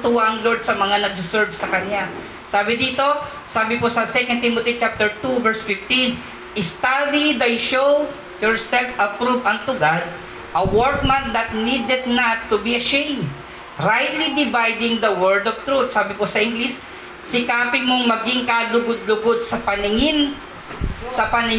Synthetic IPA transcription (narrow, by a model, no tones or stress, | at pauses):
t̪uwaɐŋloɹd̪̚sɐmɐŋanɐɡ̚sʊsɛɹvsɐkɐnja | saːbɪd̪iːt̪o̞ | saːbɪposɐsɛkɐnt̪imot̪it͡ʃap̚t̪ɛɹt̪uvɛɹsfɪft̪ĩn | ʔɪst̪alid̪ajʃow | jɔɹsɛlfɐpɾuvɐ̃nt̪ʊɡad̪̚ | ʔɐwɔɹt̪̚mɐn̚d̪ɐt̪̚nid̪ɛd̪̚nɐt̪ːʊbiɐʃẽjmd̪ | ɾajt̪lid̪ɪvajd̪ɪŋd̪ɐwɛɹd̪ov̥t̪ɾut̪̚saːbɪposɐʔɪŋɡlis | sɪkaːpɪmoŋmɐɡɪŋkalʊɡʊd̪̚lʊɡod̪̚sɐpɐnɪŋɪn | sɐpɐnɪ